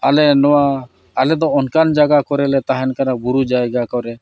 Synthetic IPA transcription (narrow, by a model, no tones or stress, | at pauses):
alɛnɔwa | alɛd̪ɔɔnkand͡ʒaɡakɔɾɛlɛt̪aɦɛnkanabuɾud͡ʒajɡakɔɾɛ